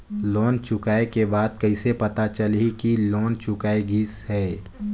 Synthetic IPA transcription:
loːnt͡ʃʊkaːekebaːd̪̚kɐɪsepɐt̪at͡ʃɐlɦikiloːnt͡ʃʊkaːeɡiːshɛː

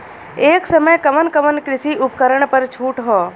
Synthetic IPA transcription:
eːksəməjkəmənkəmənkɾɪsiʔʊpkəɾəɳ̃pəɾt͡ʃʰuːʈɦɔː

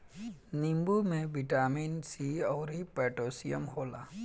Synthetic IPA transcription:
nimbumẽbiʈaːminsiɔwɾipɛʈosijəmhoːla̰

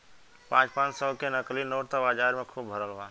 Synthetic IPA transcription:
pãːt͡ʃpãːt͡ʃsəːkenəklinoːʈt̪abaːd͡ʒaːɾmẽkʰuːbbʱəɾəlʋãːn

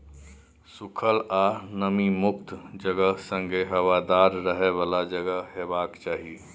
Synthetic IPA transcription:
sukʰəlanəmimʊkt̪d͡ʒəɡəsə̃ŋɡeɦəwad̪aɾːəɦebaːlad͡ʒəɡəɦɦebaːkt͡ʃaːɦi

